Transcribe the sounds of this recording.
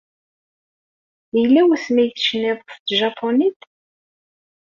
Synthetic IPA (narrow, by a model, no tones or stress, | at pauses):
ilːæwθmijθʃnɪðˤft̪ʒɑpʰːonit̪